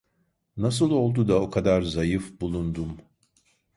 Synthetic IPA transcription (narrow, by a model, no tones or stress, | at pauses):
nasɯlˠo̞lˠd̪ud̪ao̞kʰad̪aɾzajɯfbulˠund̪um